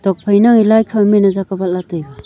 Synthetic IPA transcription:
dɔk̚pʰajnaŋilajkʰamenazakabalatɯjba

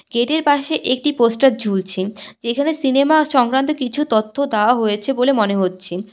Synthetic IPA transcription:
ɡ̥eʈeɾpaʃeʔek̚ʈiposʈat̚d͡ʑʱult͡ɕʰid͡ʑekʰanesinemaʃɔŋkɾant̪okit͡ɕʰut̪ot̪ʰːod̪eoaɦojet͡ɕʰebolemoneɦotːɕʰi

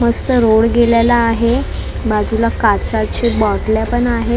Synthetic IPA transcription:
məst̪əɾoɽɡeljalaːɦe | bad͡zulakat͡sat͡ɕebɔɽljapəɳaɦe

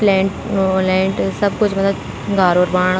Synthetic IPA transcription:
plɛ̃ːʈːlɛ̃ːɳʈsɐbkʊt͡ʃʰmɐt̪lə | ɡaːɾoːɾbãːɳ

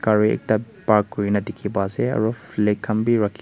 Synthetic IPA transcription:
kaɾiḛk̚tɐ | paɾkːuɾinɐdikʰːibazeɐ̰ɾɔplekʰːɐmbiɾɐkʰː

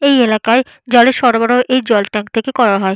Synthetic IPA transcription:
ejelakae | d͡ʑɔleɾʃɔɾobaɾoʔejd͡ʑɔlʈɛŋk̚t̪ʰekekɔɾaɦɔe

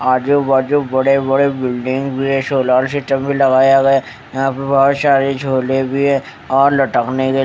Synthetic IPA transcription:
aːd͡ʒobaːd͡ʒobɐɽebɐɽebɪlɖɪ̃ŋɡbʱiɦɛ̃soːlaːlsɪʈəmbʱilɐɡaːjaɡɐja | jɐɦãpəbɐɦɔt̪ʃaːɾid͡ʒʱoːlebʱiɦɛ̃ | ɔːɾlɐʈəkneke

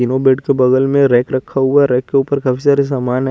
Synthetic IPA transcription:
inobeːʈkebɐɡəlmẽɾɛːkɾɐkʰːaɦʊaɾɛːkːeuːpəɾkɐpʰisaːɾis̬aːmaːn

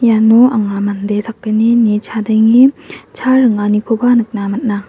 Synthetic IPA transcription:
januʔaŋamandesʰak̚ːɯninit͡ʃʰadɯŋit͡ʃʰaɾɯŋanikʰobanɯk̚namat̚na

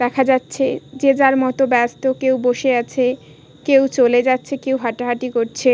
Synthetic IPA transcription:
d̪ɛkʰad͡ʑatːɕʰed͡ʑed͡ʑaɾmɔt̪obɛst̪okewboʃeat͡ɕʰe | kewt͡ɕoled͡ʑatːɕʰekewɦaʈaɦaʈikoɾt͡ɕʰe

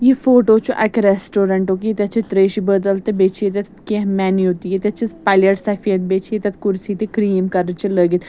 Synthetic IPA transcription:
jifoːʈoːt͡ʃʰuʔɐkɾɛsʈoːɾɐɳʈoːkit̪ɐt͡ʃʰit̪ɾeːʃibəd̪əlt̪ebeːt͡ʃʰiet̪ɐt̪keɦmɛːniot̪ijet̪ɐt͡ʃʰispaːlʲəʈsɐfʰiɐt̪̚beːt͡ʃʰiet̪ɐt̪kʊɾsiːt̪ikɾiːmkɐɾət͡ʃʰiləːɡit̪

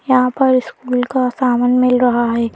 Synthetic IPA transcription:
jɐɦãpɐɾɪskuːlkasaːmənmɪlɾɐɦaɦɛː

